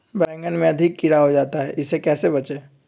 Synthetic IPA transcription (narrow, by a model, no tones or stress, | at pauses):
bɾɛ̃ːŋɡənmẽɐd̪ʱɪkːiɾaɦod͡ʒaːt̪aɦɛ̰ʔɪsekɛːsebɐt͡ʃeː